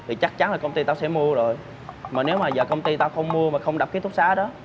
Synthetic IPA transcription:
t̪ʰi˨˩t͡ɕa˦˥k̚t͡ɕa˨˦nlaː˨˩kə˧wŋ͡mt̪i˧t̪aː˧wsɛ̰˧˥˩mu˧əzo˨˩j | maː˨˩ne˨˦wmaː˨˩zəː˨˩kə˧wŋ͡mt̪i˧t̪aː˧wxə˧wŋ͡mmu˧əmaː˨˩xə˧wŋ͡mɗa˨˩p̚kːa˨˦t̪ʰu˦˥k̚saː˨˦ɗɔ˨˦

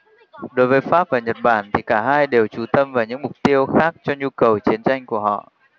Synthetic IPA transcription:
ɗo˨˦jvəː˨˦jfaː˦˥p̚vaː˨˩ɲə˨˩t̚ɓaː˧˩nt̪ʰi˨˩kaː˧˩ɦaː˧jɗe˨˩wt͡ɕu˨˧˩t̪ə˧mvaː˨˩wɲɨ̰˧˥ŋmʊ˨˩k͡p̚t̪i˧əwxaː˦˥k̚t͡ɕɔ˧ɲu˧kə˨˩wt͡ɕi˨˦ənt͡ɕa˧jŋ̟ku˧˩əɦɔ̰˧˨ʔ

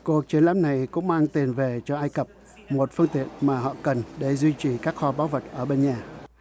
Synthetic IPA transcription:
ku˨˩ək̚t͡ɕi˨˦ənla̰ː˨˥mna˨˩jkʊ̰˧˥ŋ͡mmaː˧ŋt̪i˨˩ənve˨˩t͡ɕɔ˧ʔaː˧jkə˨˩p̚ | mo˨˩t̚fɨ˧ŋt̪ḭ˧˨ənmaː˨˩ɦɔ̰˧˨kə˨˩nɗe˧˩zwi˧t͡ɕi˨˩kaː˦˥k̚xɔ˧ɓaː˨˦wvə˨˩t̚ʔəː˧˩ɓe˧nɲaː˨˩

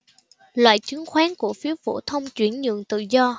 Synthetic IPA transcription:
lwa̰ː˧˨jt͡ɕɨ˨˦nxwaː˨˦nku˧˩əfi˨˦əfo̰˧˥˩t̪ʰə˧wŋ͡mt͡ɕwi˧˩ənɲɨ̰˧˨əŋt̪ɨ̰˧˨zɔ˧

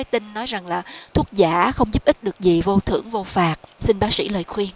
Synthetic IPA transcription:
a˦˥t̪ï˧ŋnɔ˨˦jza˨˩ŋlaː˨˩t̪ʰu˦˥ək̚zaː˧˩xə˧wŋ͡mzu˦˥p̚ʔï˦˥k̚ɗɨ˨˩ək̚zi˨˩vo˧t̪ʰɨ̰˧˩əŋvo˧faː˨˩t̚sï˧nɓaː˨˦˥sḭ˧˥˩ləː˨˩jxwi˧ən

